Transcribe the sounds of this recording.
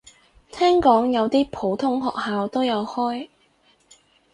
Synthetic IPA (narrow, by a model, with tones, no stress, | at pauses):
t̪ʰɛː˥ŋkɔː˨˥ŋjɐ˨˧wt̪iː˥pʰo˨˥wt̪ʰʊ˥ŋɦɔː˨k̚haː˨˧wt̪o˥wjɐ˨˧whɔː˥j